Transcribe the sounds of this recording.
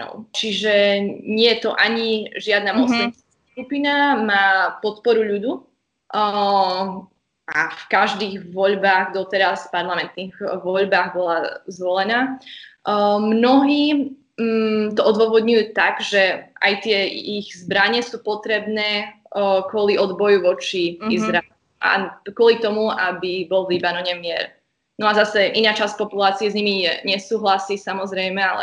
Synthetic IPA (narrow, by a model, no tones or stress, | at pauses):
ɔ̰t͡ʃiʒɛɲɪɛjɛt̪ɔʔaɲiʒɪad̪naːmɔsɛskaskupiːnamaːpɔt̪pɔɾuʎud̪u | ʔafkaʒd̪iːɣʋɔʎbaːɣd̪ɔt̪ɛɾaspaɾlamɛnt̪niɣʋɔʎbaːɣbɔlazʋɔlɛnaː | mnɔɦiː | t̪ɔʔɔd̪ʋʊɔʋɔd̪ɲujuːt̪aɡʒɛʔa̰jt̪ɪɛiɣzbɾaɲɛsuːpɔt̪ɾɛbnɛː | kʊɔliɔd̪bɔjuʋɔt͡ʃiizɾaɛluʔa̰kʊɔlit̪ɔmuabibɔlʋlibanɔɲɛmɪɛ̰ɾ | nɔazasɛʔinaːt͡ʃasc̚pɔpulaːt͡siɛzɲimijɛɲɛsuːɦlasiːsamɔzɾɛjmɛalɛ̰